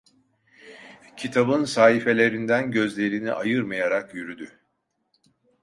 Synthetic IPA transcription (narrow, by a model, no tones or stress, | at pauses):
cʰit̪ʰabɯnsaːɦife̞lʲe̞ɾind̪ænɟø̞zlʲe̞ɾiniʔajɯɾmajaɾakjyɾyd̪y